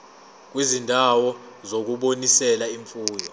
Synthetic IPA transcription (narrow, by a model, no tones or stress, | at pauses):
k̬wizindʱawɔ | zok̬uɓonisɛlaiɱfuːjɔ